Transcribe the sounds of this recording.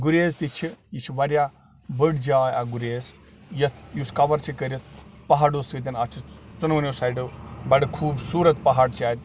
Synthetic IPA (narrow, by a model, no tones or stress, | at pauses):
ɡuɾʲeːzt̪it͡ʃʰijit͡ʃʰiʋɐɾʲjaː | bəɽd͡ʒaːjaɡuɾʲeːs | jɐt̪ʰjuskɐʋɐɾt͡ʃʰikəɾʲit̪̚ʰpɐɦaɖusɨt̪̬ʲɐnat͡ʃʰit͡sunɐʋnʲjosajɖɐbɐɽɨkʰuːbsuːɾɐt̪pɐɦaːɽt͡ʃʰiaːt̪̚ʲ